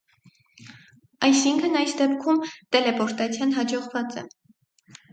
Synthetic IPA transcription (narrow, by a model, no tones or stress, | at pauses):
ɑjsiŋkʰənɑjsd̪ɛpkʰumt̪ɛlɛpɔɾt̪ɑt͡sʰjɑnɦɑd͡ʒɔʁvɑt͡sɛ̰